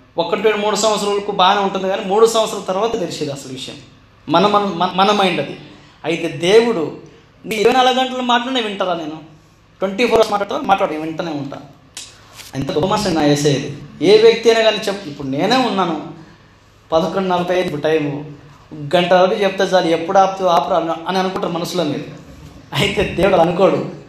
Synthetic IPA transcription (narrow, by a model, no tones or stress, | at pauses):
ɔkːɐʈːeɽmuːɽusɐmɐt̪sɾɐulɐkubaːɡɐneuɳʈund̪iɡaːnimuːɽusɐm̃ʋɐt̪sɾɐlɐt̪ɐɾʋaːt̪ɐt̪elised̪iɐsɐlʋiʂɐjɐ̰mː | ɐnɐmɐnɐmɐmɐnɐmɐjiɳɖɐd̪ḭ | ɐjt̪ed̪e̞ːwuɽu | niiɾuʋɐjnɐlɐɡɐɡɐɳʈɐlomaːʈlaːɳeʋiɳʈaɾaːne̞ːnu | ʈʋeɳʈiːpʰoːɾɐsmaːʈːlaːɽt̪ːʋaːɾmaːʈlaːɽʋiɳʈɐneːuɳʈa̰ː | ɐ̰nt̪ɐɡomaːsɐnaːjeːseːjɐd̪ieːʋjɐk̚t̪iɐjnaːɡaːnit͡ʃepːuipːuɽune̞ːne̞ːunːaːnu | pɐd̪ɐkoɳɖinɐlɐpɐjenipːuʈɐjmu | ɡɐɳʈɐoɾit͡ʃeput̪ezaːliepːuɽaːpt̪uaːpɐɾaɐniɐnukuɳʈːaɾmɐnɐsːulo̞ːmḭːɾu | ɐjit̪e̞ːd̪e̞ːwuɽɐlaɐnuko̞ːɽṵ